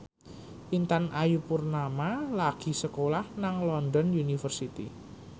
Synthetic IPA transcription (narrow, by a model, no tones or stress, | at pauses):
ʔint̪anʔajupʊrnamalaɡ̥i̤səkolahnaŋlɔndɔnjunifərsit̪ḭ